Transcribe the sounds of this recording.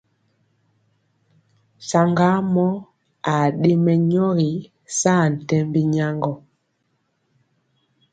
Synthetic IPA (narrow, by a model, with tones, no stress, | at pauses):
sa˨ŋɡa˦mɔ˦ | a˨ɗe˦mɛ˨ɲɔ˦ɣi˨˦ | saː˦˨n̩˨tɛ˦mbi˦ɲa˦ŋɡɔ˨